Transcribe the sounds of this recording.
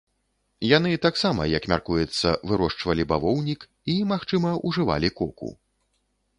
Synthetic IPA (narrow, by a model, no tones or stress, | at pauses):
janɨt̪aksamɐjɐkmʲarkujɛt̪sːɐvɨɾɔʂt͡ʂvɐlʲibavɔwnʲik | imaxt͡ʂɨmɐʔuʐɨva̰lʲikɔkṵ